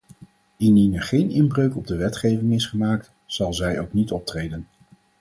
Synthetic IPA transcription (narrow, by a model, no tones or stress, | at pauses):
ininəχejnɪmbrøɥkɔb̚dəʋɛtχejvɪŋɪsχəmaːk̚t | sɑlˠzɛjowknitɔp̚trejdən